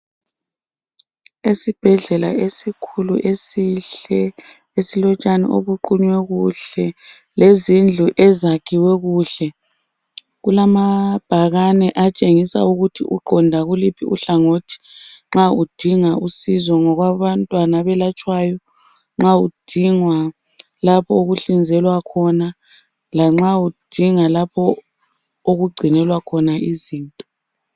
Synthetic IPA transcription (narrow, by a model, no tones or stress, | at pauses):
esib̥ʱɛɮɛla̰esikʰuluʔesiɛ | esilɔt͡ʃʼanḭʔo̰βuǃuɲwɛɣuɬɛ | lezind͡ɮʱuʔɛzakʰiwɛɣuːɬɛ | ɣulamab̥ʱaɣanɛʔat͡ʃʼeŋisa̰uɣutʰiʔuɡ͡ǃʱɔndʱaɣulipʰiṵɬaŋotʰi̥ŋ͡ǁaud̥ʱiŋausizɔŋɔɣwaβantʼwanaβɛlat͡ʃʼwajɔ | ŋ͡ǁaud̥ʱiŋwa | lapʰɔoɣuɬind͡zʱɛlwakʰɔna | laŋ͡ǁaud̥ʱiŋalapʰɔ | oɣuɡ͡ǀʱinɛlwakʰɔnaiziːntʼɔ